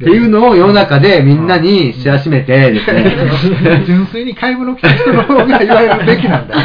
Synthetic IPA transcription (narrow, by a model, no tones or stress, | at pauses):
t̪e̞jɯ̟ːno̞ːjononakad̪e̞mʲĩnːaɲ̟iɕiaɕime̞t̪e̞d̪esne | d͡ʑɨ̃ɰ̃sɨiɲ̟ikʰaibɯ̟nokʲiç̥t̪onokooɡʲiaiβaeɾɾɯ̟be̞kʲinãna